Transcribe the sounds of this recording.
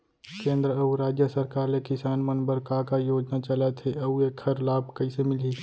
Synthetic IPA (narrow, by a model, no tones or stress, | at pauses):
kẽːnd̪ɾəɐuɾaːd͡ʒjəsɐɾkaːɾlekɪsaːnmɐnbəɾkakajoːd͡ʒnat͡ʃɐlat̪ʰeɐueːkʰhɐɾlaːb̚kɐisemɪli